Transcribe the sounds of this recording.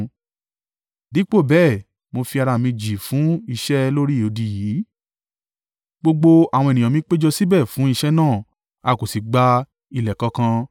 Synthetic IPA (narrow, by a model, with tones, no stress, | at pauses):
di˨˦k͡po˦˨bɛː˦˨ | mo˧fi˧a˧ɾa˧˨mĩ˧d͡ʒi˨fũ˨˦i˧ʃɛ˦lo˦ɾi˦˨o˨˧di˧jiː˨˦ | ɡ͡bo˧ɡ͡bo˧a˨w̃ɔ̃˧e˨nĩ˨ã˨mĩ˨˦k͡pe˦d͡ʒɔ˧si˦bɛ˦˨fũ˨˦i˦˧ʃɛ˦nãː˦˨ | a˧ko˨si˨ɡ͡ba˧ | i˧lɛ˨kɔ˧˦kã˧